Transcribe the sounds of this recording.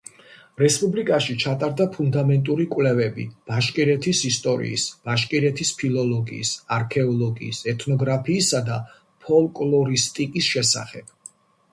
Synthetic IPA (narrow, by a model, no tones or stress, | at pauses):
ɾɛspʼublikʼaʃit͡ʃʰat̪ʼaɾd̪apʰund̪amɛnt̪ʼuɾikʼwlɛvɛbḭb̥aʃkʼiɾɛt̪ʰisist̪ʼɔɾḭːsb̥aʃkʼiɾɛt̪ʰispʰilˠɔlɔɡḭːsaɾkʰɛɔlˠɔɡḭːsɛt̪ʰnɔɡɾapʰiːsad̪a | pʰɔlˠkʼlˠɔɾist̪ʼikʼisʃɛsa̰χɛb̥